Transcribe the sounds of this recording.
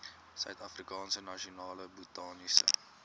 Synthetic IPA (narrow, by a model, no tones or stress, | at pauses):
sœɥtɐfrikɑːnsənɐʃionɑːləbutɑːnisə̰